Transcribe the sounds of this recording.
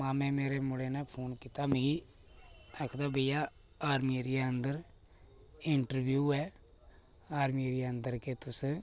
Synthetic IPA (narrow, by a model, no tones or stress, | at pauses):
mãːmɛ̃ːmeːɾeːmʊɽeːnɛ̃ːpʰoːnkiːt̪aːmiɡiː | əkʰd̪aːbəjaː | aːɾmiːɾiaənd̪əɾ | ɪɳʈəɾbjuːɛː | aːɾmiːɾijaənd̪əɾkeːt̪ʊs